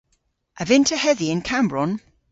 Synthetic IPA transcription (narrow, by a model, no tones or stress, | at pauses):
ʔəvɪ̃ntʰəhɛðiɪ̃nkʰãmbɹɔn